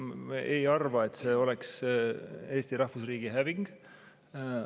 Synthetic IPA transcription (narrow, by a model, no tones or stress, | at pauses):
eʔejɑrvɑet̪ːseːo̞lɛks | e̞ːst̪iɾɑhvusriːɡ̥iɦæviŋɡ̥